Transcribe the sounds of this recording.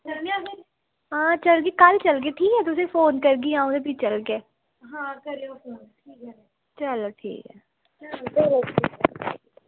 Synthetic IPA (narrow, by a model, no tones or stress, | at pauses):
əmjaːɦ | ɦãːt͡ʃəlɡeːkəlt͡ʃəlɡeːʈʰiːkɛːt̪ʊsẽːfʰoːnkəɾɡiːãːõːd̪eːpit͡ʃəlɡeː | ɦãːkəɾleofoːnʈʰiːkɛ | t͡ʃəloːʈʰḭːkɛ̰ː | t͡ʃəlodeloḭːkːʰiː